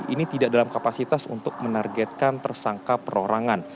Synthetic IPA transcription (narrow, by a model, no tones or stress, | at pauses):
init̪idaʔdalamkapasit̪asṵnt̪ʊk̚mənarɡɛt̪̚kant̪ərsaŋkapəɾoɾaŋan